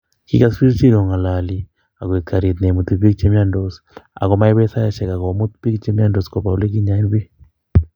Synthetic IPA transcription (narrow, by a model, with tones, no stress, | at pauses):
ki˦ka˦si˦ɾt͡ʃi˦ɾɔ˨ŋa˨la˨li˨ | a˨ɣwe˨tkʰa˨ɾi˨t̪ne˨mu˨t̪i˨pi˦k̚t͡ʃe˦mja˦ndɔs | a̰˨ɣɔ˦ma˦e˦βɛ˦sa˦ja˦ʃɛ˨ka˨ɣɔ˨mu˦t̪pi˦kt͡ʃe˦mja˦ndɔ˨skɔ˨pa˨o˨le˦ki˦ɲa˦i˦nβi˦